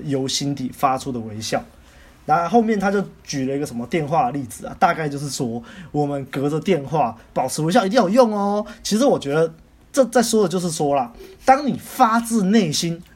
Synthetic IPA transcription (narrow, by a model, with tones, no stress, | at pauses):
jo˧˥ʊɕi˦nt̪i˨˩fa˦ʈ͡ʂʰu˥d̪ə˨we˧˥ɪɕjɑ˥˩ʊ | na˧˥˧xo˥˧ʊmjɛ˥˩nt̪ʰa˥t͡ɕjo˥˩ʊt͡ɕy˨˩lə˩i˧ɡə˩ʂə˧˦mə˧t̪jɛ˥˧nxwa˥˧əli˥˩d͡zɹ̩˨˩ɐ̰˩t̪a˥˧ka˥˧ɪt͡ɕjo˥˧ʊʂ̬ɻ̩˥˩swɔ˥wɔ˨˩mə˦nkɤ˧˥d͡zə˨t̪jɛ˥˧nxwa˥˩pɑ˨˩ʊʈ͡ʂʰɻ̩˧˥we˧˥ɕ̬jɑ˥˩i˧t̪i˥˩jo˨˩jʊ˥˩ŋɔ˨t͡ɕʰi˧˥ʂ̩˧˥wɔ˨˩t͡ɕɥɛ˧˥d̪ə˨ | t͡sɤ˥˧t͡sa˥˩ɪswɔ˥d̪ə˨t͡ɕo˥˧ʂɻ̩˥˩ʂwɔ˥lɐ˨t̪ɑ˥ŋni˨˩fa˦˥t͡sɹ̩˥˧ne˥˩ɪɕi˦˥n